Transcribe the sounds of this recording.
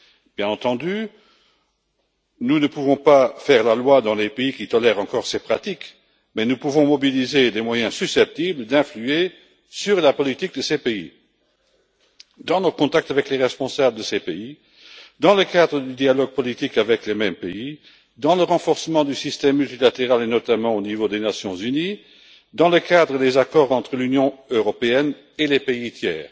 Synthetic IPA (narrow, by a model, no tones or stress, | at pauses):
b̥jɛ̃nɑ̃t̪ɑ̃d̪y | nunəpuvɔ̃pafɛʁlalwad̪ɑ̃lepeikit̪ɔlɛːʁɑ̃kɔːʁsepχat̪ik | mɛnupuvɔ̃mɔbilized̪emwajɛ̃sysɛp̚t̪ibləd̪ɛ̃flye | syʁlapɔlit̪ik̚d̪əsepeḭ | d̪ɑ̃nɔkɔ̃t̪ak̚t̪avɛkleʁɛspɔ̃sabləd̪əsepei | d̪ɑ̃ləkad̪ʁəd̪yd̪ialɔɡ̚pɔlit̪ikavɛklemɛmpei | d̪ɑ̃ləʁɑ̃fɔʁsəmɑ̃d̪ysist̪ɛmːylt̪ilat̪eʁalenɔt̪amɑ̃onivod̪enasjɔ̃zyni | d̪ɑ̃ləkad̪ʁəd̪ezakɔːʁɑ̃t̪χəlynjɔ̃øʁɔpeɛn | elepeit̪jɛ̰ːʁ